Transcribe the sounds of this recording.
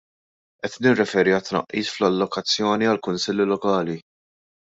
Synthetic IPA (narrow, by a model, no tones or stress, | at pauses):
ʔɛt̪nɪrːɛfɛːɾiɐt̪ːnɐ̰ʔːiːsflɐlːɔkɐt͡sːjɔːniɐlkʊnsɪlːilɔkɐːli